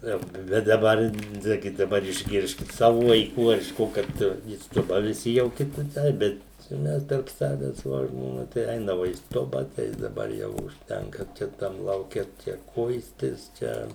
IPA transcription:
ˈjoː ˈbʲɛt dɐˈbɐr ˈnɑːɡʲɪ dɐˈbɐr ɪʒʲˈɡʲɪrʲsʲkʲɪt ˈsɑːʋʊ ʋɐɪˈkuː ɐr ɪʃ ˈkoː kɐt iː ˈstʊbɐ ʋʲɪˈsʲɪ jɛʊ ˈkʲɪ kʲɪˈtɐɪp ˈbʲɛt t͡ʃʲɛ ˈmʲɛs tɐrp ˈsɑːʋʲɛs ʋoː ʒmoːˈnɐ tɐɪ ˈɛɪnɐʋɐ iː ˈstʊbɐ tɐɪ dɐˈbɐr ˈjɛʊ ʊʃʲˈtʲɛŋkɐ t͡ʃʲɛ ˈtɐm lˠɐʊˈkʲɛ ˈt͡ʃʲɛ ˈkʊɪsʲtʲɪs ˈt͡ʃʲɛ

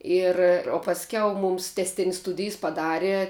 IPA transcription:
ˈɪr oː pɐsʲˈkʲɛʊ ˈmʊms tʲɛsʲˈtʲɪnʲsʲ ˈstʊdʲɪjs pɐˈdɑːrʲɛ

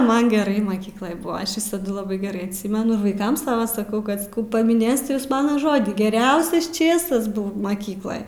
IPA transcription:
ˈmɐn ɡʲɛˈrɐɪ ˈmɑːkʲiːklˠoːj oː ˈɐʃ ˈʋʲɪsɐdʊ lˠɐˈbɐɪ ɡʲɛˈrɐɪ ɐtʲˈsʲɪmʲɛnʊ ɪr ʋɐɪˈkɐm ˈsɑːʋɐ sɐˈkɐʊ kɐt sɐˈkɐʊ pɐmʲɪˈnʲeːsʲɪt ˈjuːs ˈmɑːnoː ˈʒoːdʲiː ɡʲɛˈrʲɛʊsʲɛs ˈt͡ʃʲeːsɐs ˈbʊw mɐˈkʲiːklˠoːj

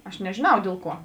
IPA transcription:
ɐʃ nʲɛʒʲeːˈnɐʊ ˈdʲeːlˠ ˌkuɔ

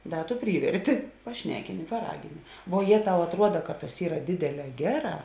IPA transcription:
ˈdɐ tʊ ˈpʲrʲiːʋʲɛrʲtʲɪ pɐˈʃʲnʲæːkʲɪnʲɪ pɐˈrɑːɡʲɪnʲɪ ʋuɔ ˈjeː ˈtɐʊ ɐtˈruɔdɐ kɐt tɐs ˈiːrɐ ˈdʲeːdʲeːˌlʲɛː ˈɡʲæːˌrɑː

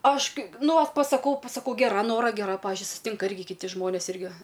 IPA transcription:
ˈɐʃ ˈkɐɪ ˈnʊ ˈʋɐt pɐsɐˈkɐʊ pɐsɐˈkɐʊ ɡʲɛˈrɐ ˈnoːrɐ ɡʲɛˈrɐ ˈpɑːʋʲɪʒʲʊɪ sʊsʲɪˈtʲɪŋkɐ ˈɪrʲɡʲɪ kʲɪˈtʲɪ ˈʒmoːnʲeːs ˈɪrʲɡʲɪ

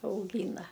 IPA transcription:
ɐʊˈɡʲiːnɐ

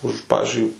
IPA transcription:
ˈʊʃ ˈpɑːʋʲɪzʲd͡ʒʲʊɪ

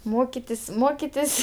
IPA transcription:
ˈmoːkʲɪtʲɪsʲ ˈmoːkʲɪtʲɪsʲ

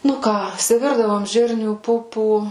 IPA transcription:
nʊ ˈkɑː ɪsʲɪˈʋʲɪrdɐʋoːm ˈʒʲɪrʲnʲuː ˈpʊpuː

